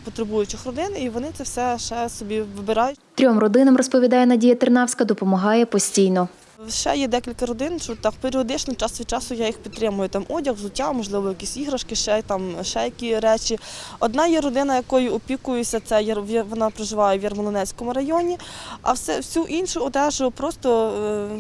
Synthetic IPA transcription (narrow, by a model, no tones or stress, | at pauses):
pɔt̪ɾebujʊt͡ʃɪxrɔd̪ɪniʋɔnɪt̪ɛwsɛʃɛsɔbʲiʋɪbɪɾɑjʊt̪ɾʲɔmrɔd̪ɪnɐmrɔspɔʋʲid̪ɑjɛnɐdʲijɐt̪ɪrnɑwsʲkɐd̪ɔpɔmɐɦɑjɛpɔsʲtʲijnɔ | wʃɛ̰jɛd̪ɛkʲilʲkɐɾɔd̪ɪnʃɔt̪ːɑkpeɾʲiɔd̪ɪt͡ʃnɔt͡ʃɑsʲit͡ʃɑsʊjajixpʲid̪t̪ːɾɪmʊjʊt̪ɑmɔdʲɐxzʊtʲːamɔʒlˠɪʋɔjɐkʲisʲiɦɾɐʃkɪʃɛt̪ɑmʃɛjɐkʲiɾɛt͡ʃʲiɔd̪nɑjɛɾɔd̪ɪnɐjɐkɔjʊɔpʲikʊjʊsʲɐt̪sɛjʋɔnɑpɾeʒɪʋɑjɛʋjɐrmɔlˠɔnɛsʲkɔmʊɾɐjɔnʲiɐ̰wsɛwsʲuʔinʃʊɔd̪ɛʒʊpɾɔst̪ɔ